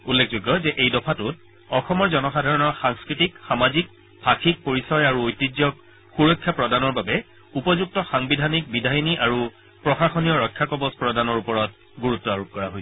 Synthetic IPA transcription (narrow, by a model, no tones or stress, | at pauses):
ulːekʰzuɡːɔzɛʔejdɔpʰatʊt̚ | ɔxɔmɔɹzɔnɔxadʱaɹɔnɔɹxaŋskɹitikxamazik̚ | bʰʱaxʰik̚poɹisɔjaɹuojtːizjɔk̚ | xuɹojkʰːjapɹɔdanɔɹbabɛ | upɔzuk̚tɔxaŋbidʱanik̚bidʱajniʔaɹu | pɹɔxaxɔnijɔɹɔkʰːjakɔbɔspɹɔdanɔɹupɔɹɔt̚ | ɡuɹutːɔaɹup̚kɔɹaɦojsɛ